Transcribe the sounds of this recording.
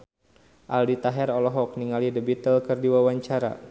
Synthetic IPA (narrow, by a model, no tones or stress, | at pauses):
ʔaldit̪aɦɛɾɔlɔɦɔk̚niŋalidəbit̪əlkərdiwawaɲt͡ʃaɾa̰